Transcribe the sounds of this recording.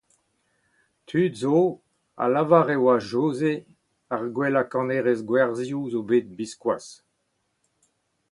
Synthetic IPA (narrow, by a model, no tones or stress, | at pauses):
t̪ʰyt̪zo | a̰lavaʁewaʒoːze | aʁɡwɛlakɑ̃neːʁezɡwɛʁzjuzobeːt̪̚biskwas